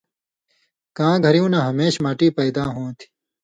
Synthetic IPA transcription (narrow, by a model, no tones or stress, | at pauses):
kãːɡʱɐɾijũːnãːɦɐmeːɕmaːʈiːpɐːd̪aːɦõːt̪ʰi̥